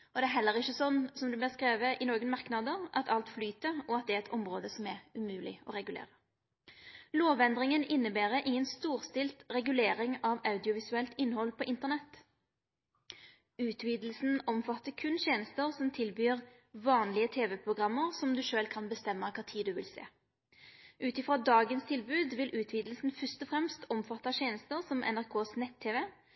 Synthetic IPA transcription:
ɔd̪ɛæɾɦɛlːəʁɪçːəsɔnːsɔmd̪ʉblæʁskʁeːʋəʔɪnoːɡənmɑʁknɑd̪əʁʔɑt̪ʰɑlt̪flyːt̪əɾɔɑt̪̚d̪ɛæɛt̪ʰɔmʁoːd̪əsɔmæʁʉmʉːlɪ̰ɔʁɛɡʉlḛːʁə | loːʋɛnd̪ʁɪŋənɪnːəbæːʁəʔɪŋːənst̪uːʁst̪ɪlt̪ʁɛɡʉleːɾɪŋɑʋɑʉd̪ɪʊʋɪsʉɛlt̪ɪnːhɔlpʰɔʔɪnt̪əʁnɛt̪ː | ʉːt̪ʰʋiːd̪l̩sn̩ɔmfɑt̪ːəkʰʉnɕeːnəst̪əʁsɔmt̪ʰɪlbyːʁ | ʋɑːnlɪət̪ʰeːʋɛpʰʁʊɡʁɑmːəʁsɔmd̪ʉʃøːlkʰɑnbəst̪ɛmːəkʰɑːt̪ʰiːd̪ʉʋɪ̰lsḛː | ʔʉːt̪ɪfʁoːd̪ɑːɡənst̪ʰɪlbʉːd̪ʋɪlʔʉːt̪ʰʋiːd̪l̩sn̩fœst̪ɔfʁɛmst̪ɔmfɑt̪ːɑʃeːnəst̪əʁsɔmʔɛ̰næʁkʰoːsnɛt̪ʰːeːʋɛ

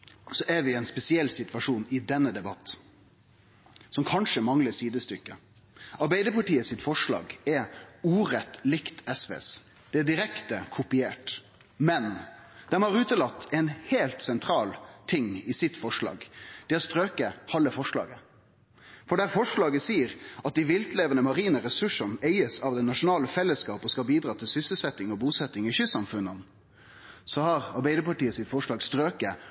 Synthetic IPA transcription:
sɔʔæɾʋɪɛnspɛsɪɛlːsɪt̪ʋɑʂuːnɪd̪ɛnːəd̪ɛbɑt̪ː | sɔmkʰɑnʂəmɑŋləsiːd̪əst̪ʏkːə | ɑɾbæɪd̪əpɑʈiːəsɪt̪fɔʂlɑ̰ːɡɛɾuːɾɛt̪ːlɪkt̪ʰɛsʋḛːs | d̪̥ɛæɖɪɾɛkt̪əkʰʊpɪeːʈ | mɛnd̪̥ɛnhɑɾʉːt̪əlɑt̪ːɛnheːlt̪sɛnt̪ʰɾɑːlt̪ʰɪŋɪsɪt̪fɔʂlɑ̰ːɡd̪̥ɛæst̪ɾøːkəhɑlːəfɔʂlɑ̰ːɡə | fɔɖæɾfɔʂlɑːɡəsiːəɾɑt̪̚d̪ɪʋɪlt̪leːʋənəmɑɾiːnəɾɛsʉʂənæɪəsɑʋd̪ɛnɑʂʊnɑːləfɛlːəskɑːpɔskɑbiːd̪ɾɑːt̪ʰɪlsʏsəlsɛt̪ːɪŋɔbuːsɛt̪ːɪŋɪçʏsɑmfʉnːən | sɔhɑɾɑɾbæɪd̪əpɑʈiːəsɪt̪fɔʂɭɑːɡst̪ɾøːkə

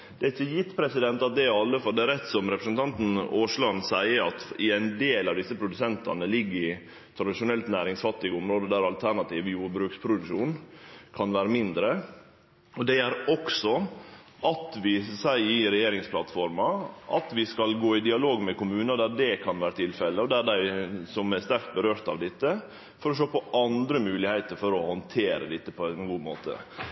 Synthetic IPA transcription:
d̪ɛæɾɪçːəjɪt̪ːpʰɾɛsɪd̪ɛnt̪ɑt̪̚d̪ɛɑlːəfɔld̪ɛæɾɛt̪ːsɔmɾɛpɾəsnt̪ʰɑnt̪n̩oːʂlɑnsæɪəɾɑt̪ɪæɪnd̪eːlɑʋd̪ɪsːəpʰɾʊd̪ʉsɛnt̪ɑ̰nəlɪɡːəɾɪ | t̪ʰɾɑd̪ɪʂʊnɛlt̪næːɾɪŋsfɑt̪ːɪɡəʊmɾoːd̪əd̪æɾɑlt̪ʰæɾɳɑt̪ʰiːʋjuːɾbɾʉːkspʰɾʊd̪ʉʂuːnkʰɑnʋæːɾəmɪnd̪ɾə | ɔd̪ɛæɾɔksɔ | ʔɑt̪ʋɪsæɪɪɾɛjeːɾɪŋspʰlɑt̪fɔɾmɑʔɑt̪ʋɪskɑlɡoːɪd̪ɪɑloːɡmɛkʊmʉːnɑd̪æɖɛkʰɑnʋæːɾət̪ʰɪlfɛlːəɔd̪æɖ̪æɪsɔmæst̪æɾk̚t̪̚bəɾøːɾt̪ɑ̰ʋd̪ɪt̪ːə | fɔɾɔʃøːpɔʔɑnd̪ɾəmʉːlɪhæɪt̪əɾfɔɾɔhɔnt̪ʰeːɾə̰d̪ɪt̪ːəpʰɔænɡuːmo̰ːt̪ʰə̰

